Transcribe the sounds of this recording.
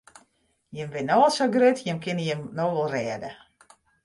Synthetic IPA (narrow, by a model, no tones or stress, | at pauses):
jɪmʋɪnoəlˠsoɡrøtʰjɪmkʰɪnəjɪmnoːʋɔlˠrɛːdə